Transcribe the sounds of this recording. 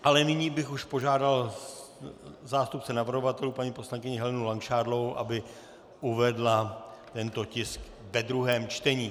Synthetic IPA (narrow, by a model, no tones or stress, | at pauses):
ʔalɛnɪɲiːbɪxuʃpo̞ʒaːdal | zaːst̪up̚t͡sɛnavr̩ɦovat̪ɛluːpaɲiːposlaŋkɪɲɪɦɛlɛnulaŋkʃaːɾloowʔa̰bɪ | ʔuvɛdlat̪ɛnt̪o̞cɪsk | vɛd̪ɾuɦɛːmt͡ʃt̪ɛɲiː